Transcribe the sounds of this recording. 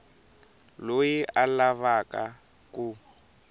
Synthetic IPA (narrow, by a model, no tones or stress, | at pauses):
lojiʔalaβaka | ku